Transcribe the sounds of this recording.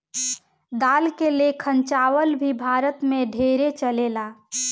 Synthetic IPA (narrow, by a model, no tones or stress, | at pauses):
d̪aːlkelekʰə̃nt͡ʃaːwəlbʱibʱaːɾət̪mẽɖʱeːɾet͡ʃəleːla